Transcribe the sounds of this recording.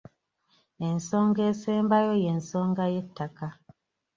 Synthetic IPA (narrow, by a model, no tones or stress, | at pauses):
en̩sɔŋɡɛsɛmbajojen̩sɔŋɡajetːaka